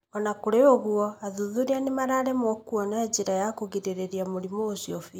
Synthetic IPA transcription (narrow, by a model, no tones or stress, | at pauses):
ɔnakoɾeoɣwɔaðuðuɾianemaɾaɾɛmɔkwɔnaeɲd͡ʑeɾajakoɣiɾeɾeɾiamoɾimoosiɔfi